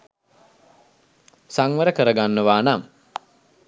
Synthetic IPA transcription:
saŋʋəɾəkəɾəɡanːəʋaːnam

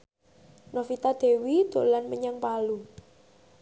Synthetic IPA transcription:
nofit̪ad̪̥e̤wid̪̥o̤lanməɲaŋpalu

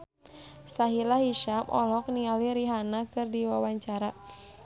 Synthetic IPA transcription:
saɦilaɦiʃamʔɔ̰lɔk̚nialiɾiɦanakɨrdiwawaɲt͡ʃaɾa

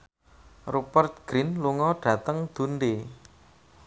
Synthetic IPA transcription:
rupərt̪̚ɡ̥ɾinluŋɔɖ̥ä̤t̪əŋd̪̥ṳnd̪e

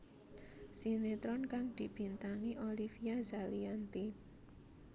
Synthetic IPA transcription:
sinet̪ɾɔnkaŋd̪̥i̤b̥i̤nt̪aŋiʔolifijazaliant̪i

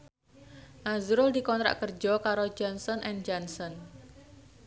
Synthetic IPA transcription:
ʔazuɾʊld̪ikɔnt̪ɾa̰ʔkərd͡ʒɔkaɾod͡ʒɔnsɔnʔɛnd͡ʒansɔn

